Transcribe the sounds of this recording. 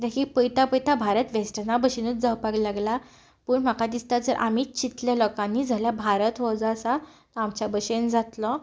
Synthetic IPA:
d̪akʰipəjt̪apəjt̪abʱaɾət̪ʋesʈənabəɕenət̪d͡zawpaɡlaɡla | pəːɳm̤akad̪ist̪ad͡zəɾʔamiːt͡ɕit̪ljalɔkãnːiːd͡zʱaljabʱaɾət̪ɦɔd͡zaːsat̪ɔamt͡ɕjabəɕend͡zat̪lɔ

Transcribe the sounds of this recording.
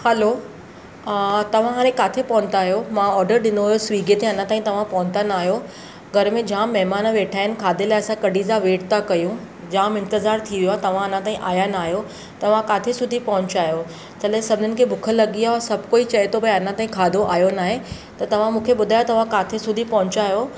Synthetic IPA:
hɛlo | t̪ɐʋ̤ãɦaːɾ̃ẽkaːt̪ʰepɐʊ̃nt̪aːɦijomãɔːɾɖəɾɗɪnoɦjosʋiːɡet̪eɐnãt̪aːɦĩt̪ɐʋ̤ãpɐɦʊ̃nt̪anaːɦjo | ɡʱɐɾmẽd͡ʑãːmːɐɦmaːnʋeːʈʰaːɪnɪ̆kʰaːd̪ʱelaːɐsãkɐɖʱizaʋeːʈt̪akɐjũ | d͡ʑaːmɪ̃nt̪ɪzaːɾt̪ʰiʋijoat̪ɐʋ̤ãɐnãt̪aːĩʔaːjanaːɦijo | t̪ɐʋ̤ãkaːt̪ʰesʊd̪ʱipɐɦʊ̃ɲt͡ɕaːjo | t͡ɕɐlesɐbʱɪnənɪ̆kʰebʱʊkʰəlɐɠiasɐbʱkoːit͡ɕɐet̪ʰobɐeɐnãt̪aːɦĩkʰaːd̪ʱoʔaːjonaːɦe | t̪ɐt̪ɐʋ̤ãmũːkʰeɓʊd̪ʱaːjot̪ɐʋ̤ãkaːt̪ʰesʊd̪ʱipɐɦʊ̃t͡ɕaːɦjo

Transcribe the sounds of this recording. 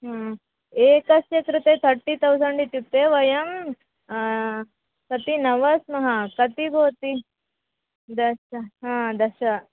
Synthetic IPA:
ɦãː | eːkɐsjɐkɾɨt̪et̪ʰɐɾʈːit̪ʰɐwsɐɳɖit̪jup̚t̪eːʋɐjɐm | kɐt̪inɐʋɐsmɐɦɐkɐt̪iɡoːt̪i | d̪ɐʃɐɦãːd̪ɐʃɐ

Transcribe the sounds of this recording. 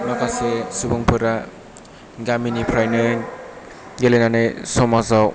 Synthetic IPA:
makʰasesubuŋpʰɯɾa | ɡaminipʰɾajnɯn | ɡelenanɯjsɔmazaw

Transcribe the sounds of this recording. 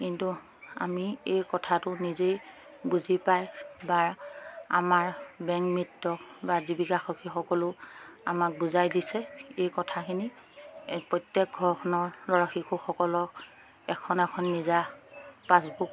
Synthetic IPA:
kintu | a̰miejkɔtʰatʊnizej | buzipajbaɹa̰maɹbɛŋmitːɔbazibikaxɔkʰixɔkɔlʊa̰mak̚buzajdisɛejkɔtʰakʰini | pɹɔjtjɛk̚ɡʱɔɹxʰɔnɔɹlɔɹaxikuxɔkɔlɔk | ɛkʰɔnɛkʰɔnːizapasbuk

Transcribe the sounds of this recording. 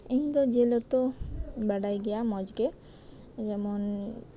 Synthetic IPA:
eŋd̪od͡ʑelot̪obɛɽajɡejamɔd͡ʑɡe | d͡ʑɛmon

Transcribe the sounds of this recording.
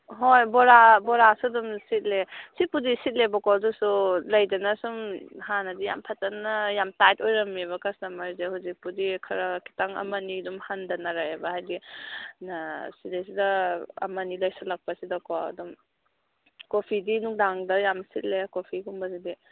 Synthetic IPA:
ɦojbɔɾabɔɾasudumsit̚lesipudisit̚lebɐkɔdusulɐjdɐnɐsumhanɐdija̰mpʰatanːɐjamtajtojɾɐmiβɐkasnamaɾzehuzik̚pudikʰɐɾɐkʰi̥taŋɐ̰mɐnidumhandanaɾajebahajdinasidajs̬idɐɐ̰mɐnilɐjsalak̚pasidɐkoɐ̰dum | kopʰidinuk̚daŋdɐjamsit̚lekopʰiɡumbɐzidi

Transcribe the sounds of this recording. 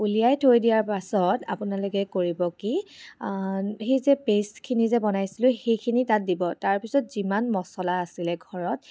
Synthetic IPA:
ulijajtʰoɹidijaɹpasɔtapʊnalokɛkoɹibɔki | xejzɛpeskʰinizɛbɔnajsilʊxejkʰinitat̚dibɔtaɹpisɔtz̥imanmɔsɔlaːsilɛɡʱɔɹɔt̚

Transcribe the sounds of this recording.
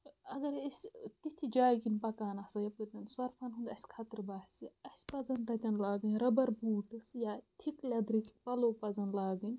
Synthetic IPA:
ɐɡɐɾisʲt̪it̪ʰid͡ʒaːjkinpɐkaːnɐsojɐpɨɾt̪ɐnsɐɾfʰɐnɦund̪ɐsʲkʰɐt̪ɨɾbaːhsiɐsʲpɐzɐnt̪ɐt̪ʲɐnlaːɡɨnʲɾɐbɐɾbuːʈɨsjaːt̪ʰiklʲɐd̪ɾikʲipɐloːpɐzɐnlaːɡɨnʲ

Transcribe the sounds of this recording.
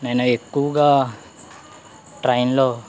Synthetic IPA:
nanaekːuɡa | ʈɾainlo

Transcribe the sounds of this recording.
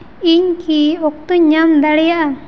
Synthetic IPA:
iɲkiɔk̚t̪uɲamd̪aɽɛjaʔa

